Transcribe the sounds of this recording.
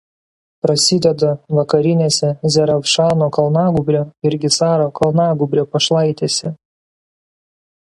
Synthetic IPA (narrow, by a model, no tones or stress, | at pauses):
pɾɐsʲɪd̪ʲɛd̪ɐʋɐkɐɾʲɪnʲeːsʲɛzʲɛɾɐfʃɑˑlˠnoːkɐlˠnɑːɡʊbʲɾʲoːɪɾʲɡʲɪsɑːɾoːkɐlˠnɑːɡʊbʲɾʲoːpɐʃlˠɐɪt̪ʲeːsʲɛ